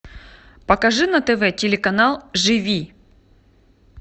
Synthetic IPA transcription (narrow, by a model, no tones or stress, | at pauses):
pɐkɐʐɨnɐt̪ɛvɛtʲɪlʲɪkɐnalˠʐɨvʲi